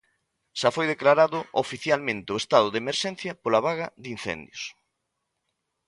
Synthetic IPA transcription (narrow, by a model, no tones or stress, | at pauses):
ʃafojðeklaɾaðʊʔofiθjalmẽnt̪ɪʊest̪aðʊðemeɾʃɛn̟θjɐpolaβaɣɐðinθɛ̰nd̪jʊs